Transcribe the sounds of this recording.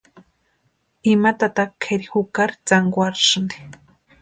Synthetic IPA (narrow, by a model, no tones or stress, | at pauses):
imat̪at̪akʰːeɾixukaɾt͡saŋɡwaɾʂni̥